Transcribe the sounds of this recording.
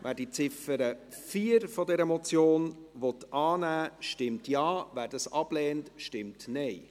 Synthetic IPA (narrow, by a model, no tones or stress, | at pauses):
ʋʔæːɾdit͡sɪfəɾə | fiːəɾfɔdɛɾəmɔt͡sjoːnʋɔt̪ɑːnæːʃtɪmtjɑːvæːɾd̥ɑsɑb̥lɛːntʃtɪmtnɛɪ